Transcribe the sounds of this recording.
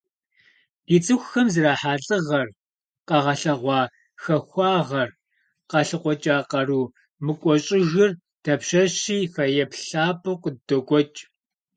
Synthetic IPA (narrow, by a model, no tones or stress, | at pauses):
d̥iːt͡sʼɨxʷxɐmzɨraːħaːɬʼɨʁɐr | qɐʁɐɬɐʁʷɑː | xɐxʷɑːʁɐr | qɐɬɨqʷɔt͡ʃʼaːqɐruː | mɨkʷʼɔɕʼɪɣɨr | tʰɐpɕɐɕiːfɐjɛpɬaːpʰʼɨqədɔkʷʼɔt͡ʃʼ